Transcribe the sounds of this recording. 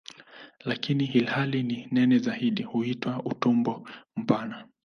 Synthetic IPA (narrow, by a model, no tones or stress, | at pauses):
lakiniɦilhalininɛnɛzahiɗihuitwautumbɔm̩pana